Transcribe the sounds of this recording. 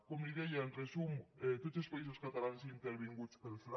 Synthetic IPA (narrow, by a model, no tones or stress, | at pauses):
komnikejanresumet̪ot̪sespais̬oskat̪alansiint̪eɾβiŋɡut͡spelfla